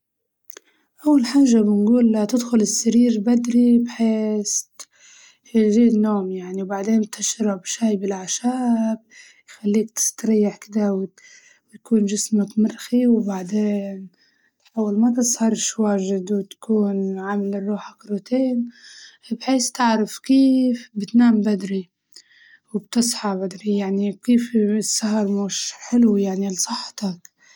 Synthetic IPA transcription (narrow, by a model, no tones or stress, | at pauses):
ʔawːalħaːʒːabɪnɡuːlat̪ɪd̪xʊlɪsːaɾiːɾbad̪ɾibħeːs | ʒiːnːoːmjaʕniwbaʕd̪eːnt̪ɪʃɾˤɑbʃajbɪlʕaʃaːb̚ | jxalːiːk̚t̪ɪ̥st̪ɾɑjːaħkɪd̪aw | wt̪akuːnʒɪsmakmɪɾxiwbaʕd̪eːn | t̪ħawːɪlmat̪̬ɨsˤhɑɾˤʃwaːʒɪd̪wɪt̪ḁkʰuːnʕamalɪrˤːuːħakɾut̪eːn | bħeːst̪ɪʕɾafkiːfbɪt̪naːmbad̪ɾi | wɪb̚t̪ɨsˤħɑbad̪ɾijaʕnikiːfsːaɦɑɾˤmuːʃħɪlwijaʕnilsˤɨħːt̪ak